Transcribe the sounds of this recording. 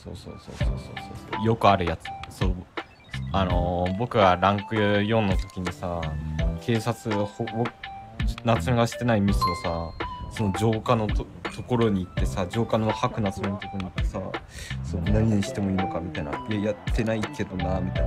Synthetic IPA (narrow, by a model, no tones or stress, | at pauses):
so̞ːso̞̰ːso̞̰ːso̰ːso̞̰ːsoːso̰ːjo̞kɯ̟aɾɯ̟jat͡sɨ̥soː | ano̞bo̞kɯ̟ɡaɾãŋkɯjõ̞nːo̞t̪o̞̥kʲiɲ̟isakʰe̞ːsat͡sɨhobo | nat͡sɨmeɡaɕi̥t̪e̞naimʲisɨosaso̞no̞d͡ʑo̞ːkano̞t̪o | t̪o̞ko̞ɾo̞ɲ̟iːt̪ːe̞sad͡ʑo̞ːkanohakɯ̟nat͡sɨmenot̪o̞koɾo̟it̪ːesa̰sonaɲ̟iɲ̟iɕi̥t̪e̞mo̞iːno̞kamʲit̪aina̰ejat̪ʰːe̞naike̞d̪o̞namʲit̪ain